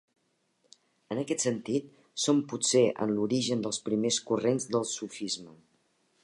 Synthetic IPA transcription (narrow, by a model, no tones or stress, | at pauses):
ənəkɛt̪sənt̪it̪ | sompuseʔə̰nluɾiʒənd̪əlˠspɾimeskurenzðəlˠsufizmə